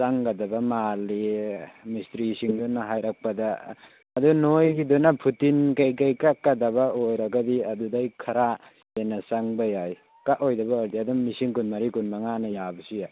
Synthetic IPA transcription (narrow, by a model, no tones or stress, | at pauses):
saŋɡadɐbɐmalimistɾisiŋdunaɦajɾak̚pɐdaː | dunojɡidunapʰutinkajkajkakːadɐbɐojɾɐɡɐdiɐdudajkʰɐɾa | enɐsaŋbɐjaj | kaʔojdɐbɐoɾdiadumːisiŋkunmɐɾikunmaŋanɐjabɐsija